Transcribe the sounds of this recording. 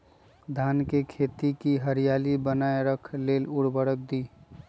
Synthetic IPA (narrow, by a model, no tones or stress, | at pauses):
d̪ʱaːnkekʰeːt̪ikiɦəɾijaːlibənaːeɾəkʰleːlʊɽbəɽək̚d̪iː